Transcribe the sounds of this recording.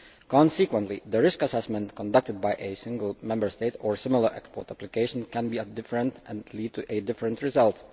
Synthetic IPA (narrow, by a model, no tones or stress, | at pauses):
kɑ̃nsikwə̃ntliðəɹɪskəsɛsmə̃ntkɔ̃ndʌk̚təd̚bajʔesɪ̃ŋɡəl̩ˠmɛ̃mbə˞steɪtɔɹsɪmɪl̩ˠəɹʔɛ̰kspɔːɹtæplɪkeɪʃə̃nkɛ̃nbiːədɪfɹə̃ntɛ̃nliːd̚tʰuʔedɪfɹə̃ntɹɪzʌlˠt